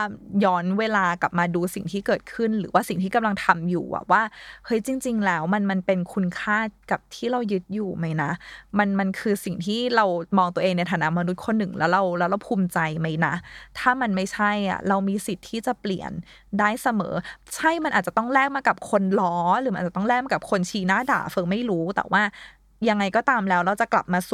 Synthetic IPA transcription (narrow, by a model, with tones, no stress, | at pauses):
a˨˩jɔː˦˥nweː˧laː˧ka˨˩p̚maː˧duː˧si˨˩ŋt̪ʰiː˥˩kɤː˨˩t̪̚kʰɯ˥˩nɾɯː˩˦waː˥˩si˨˩ŋt̪ʰiː˥˩ka˧mla˧ŋt̪ʰa˧mjṵː˨˩ʔa̰˨˩waː˥˩hɤ˦˥jt͡ɕi˧ŋt͡ɕi˧ŋlɛː˦˥wma˧nma˧npe˧nkʰu˧nkʰaː˥˩ka˨˩p̚t̪ʰiː˥˩ɾa˧wjɯ˦˥t̪̚juː˨˩ma˦˥jna˦˥ma˧nma˧nkʰɯː˧si˨˩ŋt̪ʰiː˥˩ɾa˧wmɔː˧ŋt̪u˧ɐʔeː˧ŋna˧jt̪ʰaː˨na˦˥ma˧nu˦˥t̪̚kʰo˧nːɯ˨˩ŋlɛː˦˥wɾa˧wlɛː˦˥wɾa˧wpʰuː˧mt͡ɕa˧jma˦˥jna˦˥t̪ʰaː˥˩ma˧nma˥˩jt͡ɕʰa˥˩jʔa̰˨˩ɾa˧wmiː˧si˨˩t̪ʰːiː˥˩t͡ɕa˨˩pli˨˩ən | daː˥˩jsa˧mɤ̰ː˩˦t͡ɕʰa˥˩jma˧nʔaː˨˩t̚t͡ɕa˨˩t̪ɔ˥˩ŋɾɛː˥˩k̚maː˧ka˨˩p̚kʰo˧nlɔː˦˥ɾɯː˩˦a˧ʔːa˨˩t̪ɔ˥˩ŋlɛː˥˩ma˧ka˨˩p̚kʰo˧nt͡ɕʰiː˧naː˥˩da̰ː˨˩fɾɯː˨˦ma˥˩jɾuː˦˥t̪ɛ̰˨˩waː˥˩ | ja˧ŋːa˧jkɔː˥˩t̪aː˧mlɛː˦˥wɾa˧wt͡ɕa˨˩kla˨˩p̚maː˧s